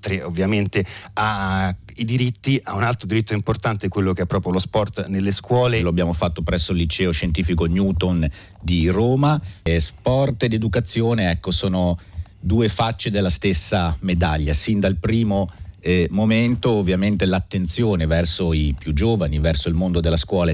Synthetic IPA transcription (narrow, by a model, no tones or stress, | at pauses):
t̪ɾeovːjament̪ea | id̪iɾit̪ːiaunalt̪ɾod̪iɾit̪ːoimport̪ant̪ekwelːokɛpːɾɔːpɾjolospɔrt̪nelːeskwɔːleloabːjaːmofat̪ːopɾɛsːolːit͡ʃɛːoʃent̪iːfikonjuːt̪on | d̪iroːmaspɔrt̪d̪ed̪ukat̪sːjoːneɛkːosoːnod̪uːefat͡ʃːed̪elːast̪esːamed̪aʎːasind̪alpɾiːmo | moment̪oːvːjament̪elat̪ːent̪sjoːnevɛrsoipjud͡ʒːoːvanivɛrsoilmond̪od̪elːaskwɔːla